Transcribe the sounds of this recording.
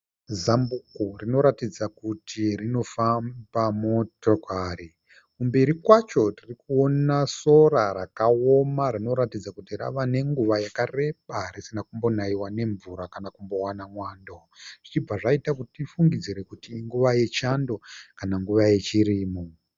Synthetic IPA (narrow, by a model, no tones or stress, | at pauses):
zambukurino̞ɾatid͡zakutʰirino̞fambamo̞to̞kaɾi | kumbe̞ɾikwat͡ʃo̞tirikuonaso̞ɾaɾakaomaɾino̞ɾatid͡zakutiɾa̰ʋane̞ŋɡuʋajakare̞ɓarisinakumbo̞naiwane̞ɱvuɾakanakumbo̞wanamwaːndo | ʐ̥it͡ʃib͡vaʐaitakuttifuŋɡid͡ziɾe̞kutiːŋɡuʋaje̞t͡ʃando̞kanaŋɡuʋaje̞t͡ʃiɾiːmo